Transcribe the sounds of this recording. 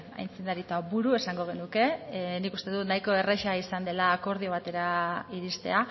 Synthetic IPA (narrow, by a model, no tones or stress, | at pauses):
a̰jnt͡sind̪aɾit̪abuɾue̞saŋɡo̞ɣ̞e̞nuke̞nikust̪e̞ðut̪najko̞e̞reʃaisand̪e̞laːko̞ɾðio̞βat̪e̞ɾaiɾist̪e̞̰a